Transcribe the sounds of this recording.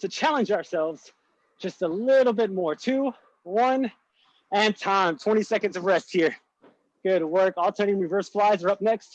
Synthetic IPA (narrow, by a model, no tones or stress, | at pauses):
tʰɨt͡ʃʰælˠə̃nd͡ʒaə˞sɛlˠvz̥ | d̥d͡ʒ̥ʌstəlɪɾl̩ˠbɪt̚mɔɹtʰʉ | wʌ̃n | ɨ̃ntʰãɪ̃mtʰw̥ɛ̃ɾ̃isɛkɨ̃ndzʌvɹɛst̚hiɹ | ɡ̥ʊd̚wɜ˞kɔlˠtʰɜ̃˞nɪ̃ŋɹivɜ˞sflaɪzə˞ʌp̚nɛkst̚